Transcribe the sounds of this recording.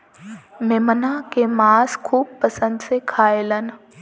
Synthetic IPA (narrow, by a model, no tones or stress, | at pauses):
meːmənakemaːskʰuːb̚pəsə̃nd̪sekʰaːelən